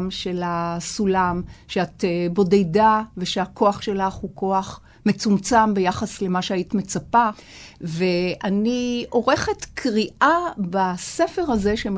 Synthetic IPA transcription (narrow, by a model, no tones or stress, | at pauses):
mʃe̞lasulamʃeatebo̞dejdaveʃeako̞aχʃe̞laχhuko̞aχ | me̞t͡sumt͡sambe̞jaχasle̞maʃeaitme̞t͡sapave̞anio̞ʁe̞χe̞tkʰʁiʔabase̞fe̞ʁhazeʃem